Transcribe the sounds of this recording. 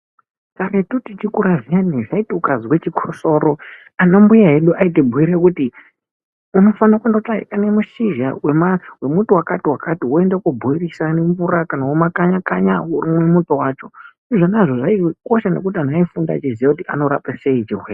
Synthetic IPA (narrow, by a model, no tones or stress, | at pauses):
kaɾetutit͡ʃikuɾaʐianiʐaitiukaziwe̞t͡ʃikʰoso̞ɾo | anombujaɦe̞ɗuʔaitibʱuiɾekuti | uno̞fanakundotaḭʔanemuʃiʒa̰we̞mawe̞mutuwakatiwakatioe̞ndekubʱuirisaneɱvuɾakanaomakaɲakaɲaurimwe̞mutowaːt͡ʃo̞ | iʐonaʐoʐaiko̞ʃane̞̰k̬utian̤aifunda̰at͡ʃizijakutiʔa̰no̞ɾa̰pase̞it͡ʃiweːre